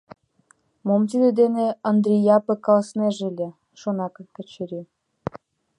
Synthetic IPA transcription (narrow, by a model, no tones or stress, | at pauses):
momt̪̬id̪ĕd̪eneənd̪rʲijɑpə̆kɑlɑsneʒelʲe | ʃonɑkɤkə̆t͡ɕeɾʲi